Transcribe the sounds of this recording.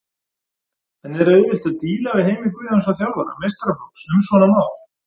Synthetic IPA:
ɛnɛɾɛðvɪl̥t̪aðt̪iːlavɪðheːjmɪŋkɪansaθjawðaɾa̰mejst̪ɾamaw̪sʏmsvɔnamaːwɾ̥

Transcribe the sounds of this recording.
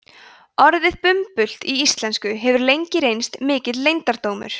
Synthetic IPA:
ɔɾðɪðpʏmpʏl̥t̪iist̪lɛnskʏɦɛvʏɾlejɲcɪɾejnst̪mɪːcɪt̪lejnt̪aɾt̪oːwmʏ̰ɾ̥

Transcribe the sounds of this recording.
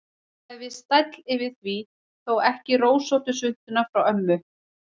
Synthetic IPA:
ɛðvɪðst̪ajt̪lɪvɪðθvi | θowɛhcɪroːwsowt̪ʏsʏn̥t̪ʏnafɾawœmːʏ

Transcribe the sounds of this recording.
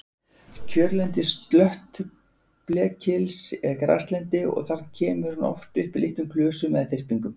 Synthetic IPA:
cʰœɾlɛnt̪ɪst̪lœht̪ | plɛːcʰɪlsɛðkɾa̰st̪lɛnt̪ɪɔ̰ɣθaɾ̥cʰɛːmʏɾ̥hanɔ̰ft̪ʏhpɪlɪht̪ʏmkʰlœːsʏmɛ̰ðθɪr̥piŋkʏm

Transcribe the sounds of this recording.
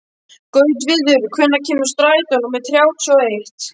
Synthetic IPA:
kœːɥt̪vɪðʏɾʏkʰvœnːacʰiːmʏ̥st̪ɾaːjt̪ɔnɔmɛðt̪θʰɾjaːwt̪ʰɔejht̪

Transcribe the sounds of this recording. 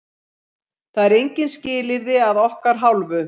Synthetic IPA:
θaðɛɾejɲcɪnscɪːlɪɾðɪaðɔhkaɾ̥ɦawlvʏ

